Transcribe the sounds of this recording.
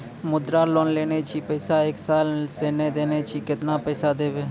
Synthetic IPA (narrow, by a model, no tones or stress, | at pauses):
mʊd̪ɾaːloːnleːneːt͡ʃʰiːpɛːsaːeksaːlseːneːd̪eːneːt͡ʃʰiːkɪt̪naːpɛːsaːd̪eːʋeː